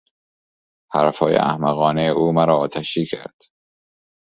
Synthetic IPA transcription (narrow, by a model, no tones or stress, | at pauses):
hæɾæfɒːjḛʔæ̰hmæɣɒːneuːmæɾɒːt̪ʰæʃiːcʰæ̰ɾd̪̥